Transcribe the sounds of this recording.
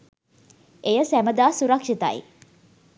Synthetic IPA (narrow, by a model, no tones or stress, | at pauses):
ʔejəsæməd̪aːsuɾɐkʂit̪a̰ḭ